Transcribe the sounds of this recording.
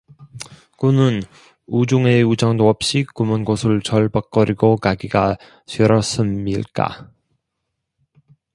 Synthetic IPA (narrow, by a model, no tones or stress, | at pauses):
kunɯn | ud͡ʑuŋe̞ud͡ʑʌŋdoʌp̚ɕ͈ikumɯnɡosʰɯɭt͡ɕʌɭbʌk̚k͈ʌɾiɡokaɡiɡa | t͡ɕʰiɾʌs͈ɯmɲḭɭk͈a̰